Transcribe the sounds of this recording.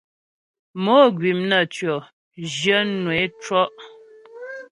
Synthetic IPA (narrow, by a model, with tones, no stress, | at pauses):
mo˦ɡɥi˨mnə˨t͡ʃɥɔ˨ | d͡ʒjə˦nwe˨˦t͡ʃɔ˦ʔ